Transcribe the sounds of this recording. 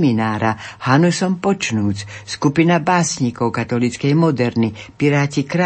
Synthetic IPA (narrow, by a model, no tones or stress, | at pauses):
minaːɾahanusɔmpɔt͡ʃnuːt͡sskupinabaːsɲikɔwkat̪ɔlit͡skɛjmɔd̪ɛɾnipiɾaːcikɾa